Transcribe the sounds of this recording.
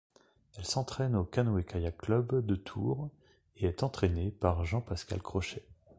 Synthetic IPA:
ɛlsɑ̃t̪χɛnokanoekajaklœbd̪ət̪ʰṵːʁ | eɛt̪ɑ̃t̪χenepaʁʒɑ̃paska̰lkχɔʃɛ

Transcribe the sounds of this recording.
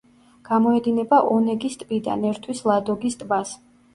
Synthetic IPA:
ɡ̥amɔɛd̪inɛbaʔɔnɛɡist̪ʼpʼid̪a̰nɛɾt̪ʰwislˠad̪ɔɡist̪ʼbas

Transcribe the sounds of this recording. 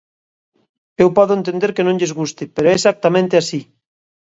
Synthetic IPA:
ewpɔðoent̪end̪eɾkenõŋʎezɣust̪ɪpeɾoɛsak̚t̪amẽnt̪easi

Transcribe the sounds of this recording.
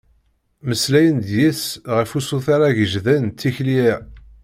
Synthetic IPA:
məslæjənd̪jæsʁəfusuθaɾaʝəʒðænt̪ːiçliɪ

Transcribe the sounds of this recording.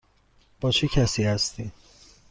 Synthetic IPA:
b̥ɒːt͡ʃʰecʰæsiːhæst̪ʰiː

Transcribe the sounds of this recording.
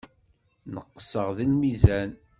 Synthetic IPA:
nəqːə̥səʁðinmizæn

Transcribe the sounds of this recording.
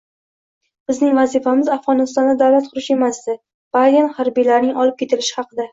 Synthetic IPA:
b̥ɪznɪŋvazifamɪzafʁɒnɪst̪ɒnd̪ad̪awlat̪̚qʰʊɾɪʃe̞masd̪ɪ | b̥aanhaɾbijlaɾnɪŋɒlɪp̚kʲʰe̞t̪ʰɪlɪʃɪ̥hɑqʰɨd̪a

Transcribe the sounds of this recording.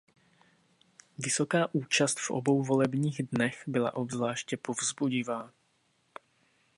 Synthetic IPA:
vɪso̞kaːʔuːt͡ʃast̪fʔo̰bowvolɛbɲiːɣdnɛxbɪla̰ʔobzlaːʃcɛpovzbuɟɪvaː

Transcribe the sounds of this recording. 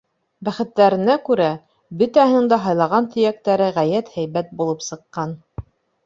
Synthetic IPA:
bæχɘ̆t̪ːæɾɘ̆nækʉɾæ | bɵ̆t̪æhɘ̆nɘɴŋd̪æɦɑjlˠɑʁɑnt̪ʰɵ̆jæk̚t̪æɾɘʁæjæt̪hæjβæt̪̚bulˠɤpsɤ̆qːɑn

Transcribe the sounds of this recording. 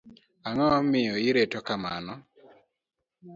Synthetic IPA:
aŋɔmɪjɔɪɾetokama̰nɔ

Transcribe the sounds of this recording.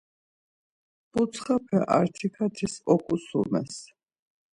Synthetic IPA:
b̥ut̪sʰχapʰɛʔa̰ɾt̪ʰikʰat̪ʰisɔkʼusṵmɛ̰s

